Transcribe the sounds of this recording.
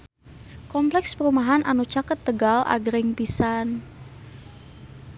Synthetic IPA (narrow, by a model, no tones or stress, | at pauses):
kɔmplɛkspəɾumaɦanʔanut͡ʃakət̪ːəɡalʔa̰ɡɾɪŋpisan